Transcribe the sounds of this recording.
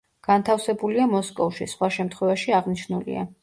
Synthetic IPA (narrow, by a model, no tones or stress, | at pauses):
ɡ̥ant̪ʰafsɛbuliamɔskʼɔvʃḭsχwaʃɛmt̪ʰχwɛvaʃiaʁniʃnulḭa̰